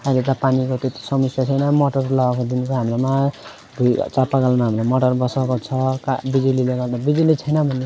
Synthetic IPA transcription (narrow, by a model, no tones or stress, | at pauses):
ʌilet̪̬ʌpanikot̪et̪i̥sʌmisjat͡sʰʌjnʌmoʈʌrlakod̪inkoɦamɾoma | bʱṵt͡sapaɡalnaɦamɾomʌʈʌrbʌsakot͡sʰʌka̰bid͡zulileɡʌlt̪ʌbid͡zulit͡sʰʌjnʌbʱʌne